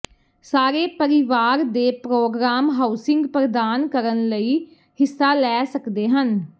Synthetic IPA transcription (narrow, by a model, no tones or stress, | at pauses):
saːɾeːpəɾɪʋaːɾd̪eːpɾoːɡɾaːmɦaːʊsɪ̃ŋɡpɾəd̪aːnkəɾənləiː | hɪsːaːlɛːsəkd̪eːɦən